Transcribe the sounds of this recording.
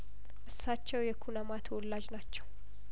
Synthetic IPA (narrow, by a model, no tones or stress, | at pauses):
ʔɨsːat͡ʃːɛwjɛkʰunəmat̪ʰəwɔlːad͡ʒnat͡ʃːɛw